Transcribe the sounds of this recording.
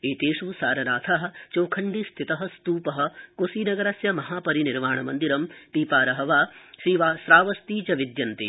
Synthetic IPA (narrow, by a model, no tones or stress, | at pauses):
eːt̪eːʂusaːɾɐnaːt̪ʰaːɦɐ̆t͡ʃoːkʰɐɳɖist̪ʰit̪ɐɦɐ̆st̪uːpɐɦɐ̆kusiːnɐɡɐɾasjɐmɐɦaːpɐɾiniɾmaːɳɐmɐnd̪iɾɐmpiːpaːɾɐɦɐʋaːʃiːʋaːsɾaːʋɐst̪iːt͡ʃɐʋid̪jɐnt̪i